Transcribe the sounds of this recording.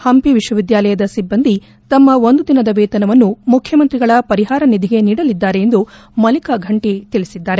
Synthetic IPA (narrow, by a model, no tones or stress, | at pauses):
hɐmpiʋiʃwɐʋid̪jaːlɐjɐd̪ɐsibːɐnd̪i | t̪ɐmːɐo̞nd̪ud̪inɐd̪ɐʋeːt̪ɐnɐʋɐnːumukʰjɐmɐnt̪ɾiɡɐɭɐpɐɾiɦaːɾɐnid̪ʱiɡe̞niːɽɐlid̪ːaːɾe̞ːnd̪u | mɐlikɐɡʱɐɳʈit̪iɭisid̪ːaːɾe̞